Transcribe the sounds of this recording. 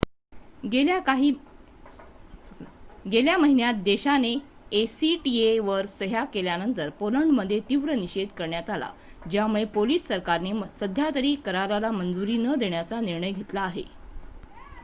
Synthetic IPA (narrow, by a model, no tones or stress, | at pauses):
eaaɦi | ɡeljaməɦinjat̪̚d̪eɕaneːsiʈieʋəɾsəɦakeljanənt̪əɾpoləɳɖməd̪ʱːjet̪iʋɾəniɕed̪kəɾɳjat̪ala̰d͡ʑjamuɭepoliːsːəɾkaɾnesəd̪ʱjat̪əɾiːkəɾaɾalamənd͡zuɾiːnəd̪eɳjat͡saniɾɳəjɡʱet̪laːɦe